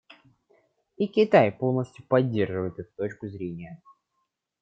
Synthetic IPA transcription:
ikʲɪt̪ajpo̞lˠnəsʲt̪ʲjʊpɐdʲːe̞rʐɨvəjɪt̪ɛt̪ʊ̥t̪o̞t͡ɕkʊzɾʲenʲɪjə

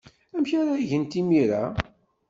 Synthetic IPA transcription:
æmçaɾaʝənt̪imiɾa

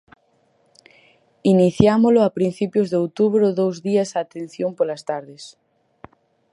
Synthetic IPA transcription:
iniθjamoloapɾin̟θipjozðeowt̪uβɾoðowzðiasaːt̪ẽn̟θjompolast̪aɾðes

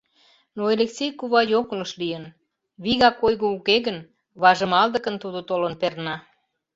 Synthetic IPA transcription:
noeleksʲejkuβɑjokləʃlijən | βiɣɑkojɣoukeɣən | βɑʒə̆mɑld̪ə̆kə̆nt̪ud̪ot̪olənpernɑ

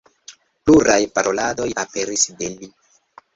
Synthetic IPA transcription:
pluɾajpaɾʔo̞lado̞jape̞ɾisdeli

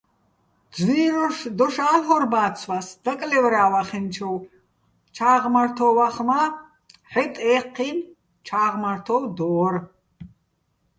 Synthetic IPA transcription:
d̪d͡zwiːɾɔʃd̪ɔʃaːɦɔɾbaːt͡sʰwasd̪̥akʼlɛvɾaːwaχɛnt͡ʃʰɔw | t͡ʃʰaːʁmaɾt̪ʰɔwaχma | ħɛt̪ʼɛːqʰːin | t͡ʃʰaːʁmaɾt̪ʰɔwd̪ɔːɾ

